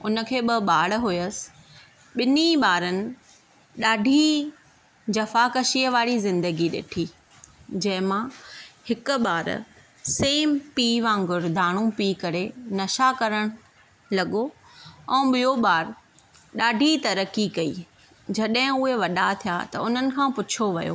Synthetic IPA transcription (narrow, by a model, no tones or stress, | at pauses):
ʊnəkʰeːɓɐɓaːɽɦʊjəsɪ̥ | ɓɪniɓaːɾənɪ̆ | ɗaːɖʱi | d͡ʑɐfakɐʃiːəʋaːɽizɪ̃nd̪əɡiɗḛːʈʰiː | d͡ʑɐ̃ɦɪ̃mãhɪkʊ̆ɓaːɾ̰ | seːmpiːʋãːŋɡʊɾd̪ʱaːɽ̃ũpiːkɐɾenɐʃakɐɾəɽ̃ʊ | lɐɠo | ɛ̃ːɓijoɓaːɾ | ɗaːɖʱit̪ɐɾəkikɐḭː | d͡ʑɐɗɦɪ̃ʊɦeʋɐɗat̪ʰijat̪ɐ̰ʊn̤ənɪ̆kʰãːpʊt͡ɕʰoʋɐjo̰ː